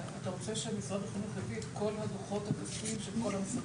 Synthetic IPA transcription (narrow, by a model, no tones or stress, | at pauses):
at̪aʁot͡seʃemisʁad̪veχinuχjafiet̪ko̞lhadoχo̞t̪hakasfimʃelkolams